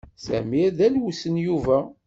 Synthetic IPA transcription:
sæ̰miæðælwusənjuvæ

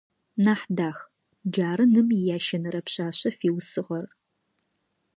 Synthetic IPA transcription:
naːħdaːx | d͡ʒaːɾɨnɨmjaːʃɐnɐɾɐpɕaːɕɐfiːwsɨʁɐr

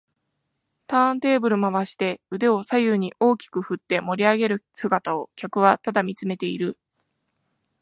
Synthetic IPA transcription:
t̪ãːnt̪e̞ːbɯ̟ɾɯ̟maβaɕi̥t̪e̞ɯ̟d̪e̞o̞sajɯːɲ̟iʔo̞ːkʲi̥kɯ̟ɸɯ̟t̪ːe̞mo̞ɾʲiaɡe̞ɾɯ̟sɨɡat̪ao̞kʲakɯ̟βat̪ad̪amʲit͡sɨme̞t̪e̞iɾɯ̟

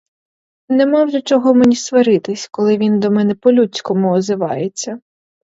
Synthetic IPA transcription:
nɛmɔwʒɛt͡ʃɔɦɔmenʲisʋɐɾɪt̪ɪsʲkɔlˠɪʋʲind̪ɔmɛnɛpɔlʲut͡sʲkɔmʊɔzɪʋɑ̰jet͡sʲːɐ

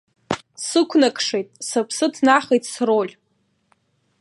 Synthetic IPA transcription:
sɨkʷʰnakʰʼʂejtʼsapʰsɨtʰnaχejtʼsrolʲ

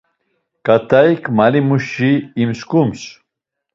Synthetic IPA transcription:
kʼat̪ʰajkʰmalimuʃiːmskums

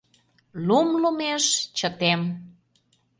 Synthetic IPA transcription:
lumlumeʃt͡ɕət̪em

